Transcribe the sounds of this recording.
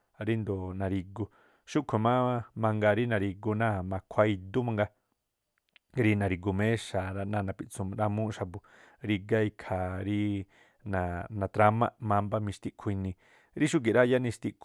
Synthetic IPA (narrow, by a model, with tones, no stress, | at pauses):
ɾi˦nd̪o˨nã˨ɾi˧ɡu˧ | ʃu˦kʷʰe˨mã˦mã˧ŋɡa˧ɾi˦nã˨˧ɾi˧ɡu˧nã˦˨mã˧kʷʰa˧i˧d̪u˦mã˧ŋɡa˧ | ɾi˧nã˨˧ɾi˧ɡu˧mẽ˦ʃa˨ɾa˧nã˦˧nã˨pi˧t͡sũ˧m˧ɾa˧mũ˦ʃa˧bu˧ | ɾi˧ɡa˦i˧kʰa˨ɾi˦ | nã˨nã˨t̪ɾa˧mã̰˦˧ʔmã˧mba˦mĩ˧ʃt̪i˦˧ʔkʰi˧nĩ˧ | ɾi˦ʃ̬u˦k̬i˨ɾa˦ja˦nĩ˧ʃt̪i˧ʔk